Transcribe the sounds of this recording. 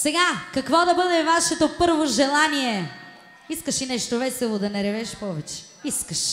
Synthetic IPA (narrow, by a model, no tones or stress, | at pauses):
sɛɡakɐkvɔd̪ɐbəd̪ɛvaʃɛt̪opəɾvoʒɛlˠaniɛ | iskɐʃinɛʃt̪ovɛsɛlˠod̪ɐnɛɾɛvɛʃpɔvɛt͡ʃɛ̥ | iskɐʃ